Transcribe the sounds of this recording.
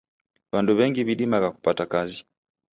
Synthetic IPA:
βanduβɛŋɡiβiɗimaɣaku̥patakazi

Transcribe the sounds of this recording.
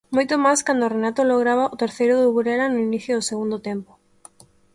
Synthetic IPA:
mojt̪omajskand̪orenat̪oloɣ̞ɾaβ̞aʔʊt̪eɾθejɾʊðuβuɾeɾanʊiniθjʊðʊseɣund̪ʊt̪ɛmpʊ̥

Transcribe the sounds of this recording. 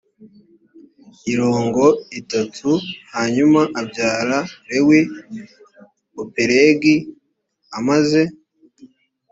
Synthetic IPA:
iɾo̞ːŋɡo̞itatʰuhaɲumaʔabɟaːɾaɾewe | opeɾeːɡi | amaze̞

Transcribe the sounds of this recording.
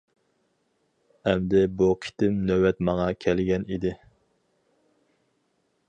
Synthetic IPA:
ɛmd̪ɪbukʲʰi̥t̪ʰɪmnøwɛt̪mɑŋɑkʲʰɛlɡʲɛnid̪ɪ

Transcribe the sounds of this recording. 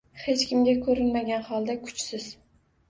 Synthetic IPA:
he̞t͡ʃkʲɪmɡʲakʰɵɾɪnmaɡʲanhɒlˠd̪akʰʊ̥t͡ʃsɪz

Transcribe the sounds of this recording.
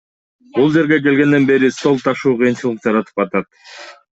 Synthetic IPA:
bulˠd͡ʒe̞ɾɡe̞k̬e̞lɡe̞nd̪e̞nbe̞ɾist̪o̞lˠt̪ʰɑʃuːqʰɯjɯnt͡ʃɯlˠəq̚d͡ʒɑɾɑt̪ʰɯ̥pɑt̪ɑt̪

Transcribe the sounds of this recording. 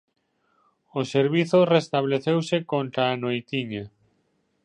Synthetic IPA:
oseɾβiθʊrest̪aβleθewsɪkont̪ɾaːnojt̪iɲa

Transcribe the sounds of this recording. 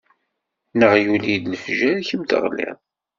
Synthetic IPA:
nəʁjulid̪nəfʒæɾçəmt̪ə̰ʁlḭð

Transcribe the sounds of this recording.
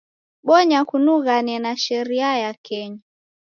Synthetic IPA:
ɓɔɲakunuɣanɛnaʃɛɾiajakɛɲa

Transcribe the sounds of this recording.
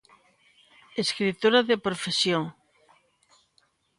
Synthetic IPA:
eskɾit̪oɾaðepɾofesjoŋ

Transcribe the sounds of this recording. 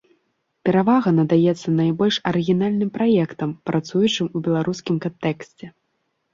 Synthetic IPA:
pʲɛɾavaɣɐnɐd̪ajɛt̪sːɐnajbɔlʲʂɐɾɨɣʲinalʲnɨmpɾajɛkt̪ɐmpɾʔat̪sujut͡ʂɨmubʲɛlˠaɾʔuskʲimkant̪ɛksʲt͡sʲɛ

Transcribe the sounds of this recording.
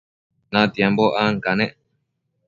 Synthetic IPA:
nãt̪jemboʔaŋkanẽʔ

